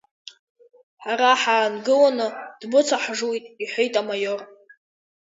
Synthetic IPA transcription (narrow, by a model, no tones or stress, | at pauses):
ħaɾaħaːnɡɨlanɨd̥bɨt͡sʰaħʐujtʼiħʷejtʼamajor